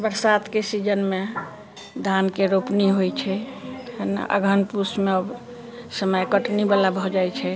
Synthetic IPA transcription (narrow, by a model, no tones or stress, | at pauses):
bəɾsat̪kesid͡ʒənme | d̪ʱankeɾopniɦojt͡ʃʰɛ | n̰ə̰ɡʱənpusmeəb | səməjkəʈnibalabʱɔd͡ʒajt͡ʃʰɛ